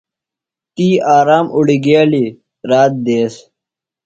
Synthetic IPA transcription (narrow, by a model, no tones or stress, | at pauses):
t̪iːaːɾaːmʔuɽiɡaːli | ɾaːt̪̚d̪eːs